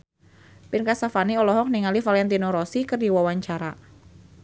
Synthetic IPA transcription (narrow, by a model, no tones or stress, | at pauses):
pɪnkasafaniɔlɔɦɔk̚niŋalifalɛnt̪inɔɾɔsikɨrdiwawaɲt͡ʃaɾa